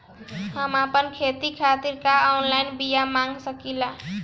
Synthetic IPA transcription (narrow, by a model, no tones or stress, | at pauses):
həmapənkʰet̪ikʰat̪iɾkaɔnlajnbijamaŋɡsəkilã